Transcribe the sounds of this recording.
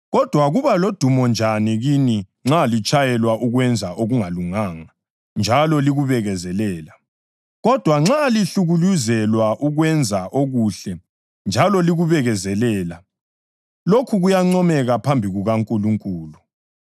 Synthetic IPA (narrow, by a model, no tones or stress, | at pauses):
ɣɔd̥ʱwaɣuβalod̥ʱumɔnd͡ʒʱaniɣini | ŋ͡ǁalit͡ʃʼajɛlwaʔuɣwɛnd͡zʱaʔoɣuŋaluŋaːŋa | nd͡ʒʱalɔliɣuβɛɣɛzɛlɛːla | ɣɔd̥ʱwaŋ͡ǁaliɬuɣuluzɛlwaʔuɣwɛnd͡zʱaʔoɣuɬɛ | nd͡ʒʱalɔliɣuβɛɣɛzɛlɛːla | lokʰuɣujaŋ͡ǀɔmɛɣapʰambʱiɣuɣaŋkʼuluŋkʼuːlu